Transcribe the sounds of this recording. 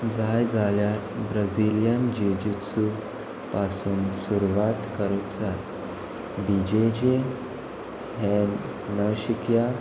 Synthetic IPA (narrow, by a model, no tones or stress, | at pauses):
d͡zajd͡zaljaɾbɾəd͡ziljənd͡ʑed͡ʑusu | pasuːnsuɾuʋat̪kəɾut̪d͡zaj | bid͡ʑed͡ʑe | ɦẽ | nəɕikja